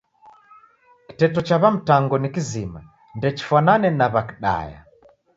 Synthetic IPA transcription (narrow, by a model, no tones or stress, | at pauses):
ki̥tɛtɔt͡ʃaβam̩taŋɡɔnikizima | ndɛt͡ʃi̥fananɛnaβaki̥ɗa̰ja̰